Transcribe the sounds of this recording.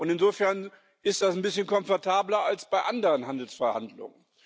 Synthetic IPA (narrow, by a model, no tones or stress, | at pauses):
ʔʊntɪnzoːfɛɐn | ʔɪst̚d̥asn̩bɪsçənkɔmfɔɐtʰaːblɐalsb̥aɪʔandəʁənɦandl̩sfɛɐha̰ndlʊ̰ŋən